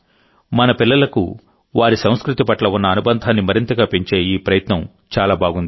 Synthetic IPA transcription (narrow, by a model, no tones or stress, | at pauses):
mɐnɐpilːɐlɐkṵ | ʋaːɾisɐ̃w̃skɾut̪ipɐʈlɐunːɐːnubɐnd̪ʱaːnːimɐɾint̪ɐɡaːpeɲt͡ʃe̞ːiːpɾɐjɐt̪nɐm | t͡ʃaːlaːbʱaːɡund̪i